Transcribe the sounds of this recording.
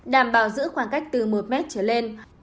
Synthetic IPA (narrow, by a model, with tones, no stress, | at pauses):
ɗaː˨˩mɓaː˨˧˩wzɨ̰˧˥xwaː˧˩ŋka˦˥jk̚t̪ɨ˨˩mo˨˩t̚mɛ˦˥t̚t͡ɕəː˧˩le˧n